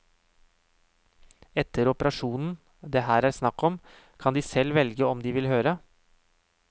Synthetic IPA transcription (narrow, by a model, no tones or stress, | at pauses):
ɛt̪əɾɔpəɾɑʂuːnn̩ | d̪eːɦæːɾæːɾsnɑkːɔm | kʰɑnd̪iːsɛlʋɛlɡəɔmd̪iːʋɪlɦøːɾə